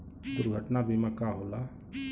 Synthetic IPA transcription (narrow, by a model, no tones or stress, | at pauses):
d̪uɾɡʱəʈnabʱimẽkaɦola